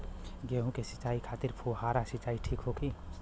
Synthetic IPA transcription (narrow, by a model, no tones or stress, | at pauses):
ɡeɦũkesɪ̥t͡ʃaːikʰaːt̪ɪɾpʰuhaːɾasɪt͡ʃaːiʈʰiːkɦokʰiː